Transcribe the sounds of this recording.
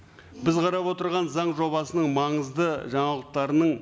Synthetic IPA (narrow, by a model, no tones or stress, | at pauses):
bɪzqʰɑɾɑpwo̞t̪əɾʁɑnzɑɴʒo̞βɑsənəɴmɑɴəzd̪əʒɑɴɑlˠəq̚t̪ɑɾənəɴ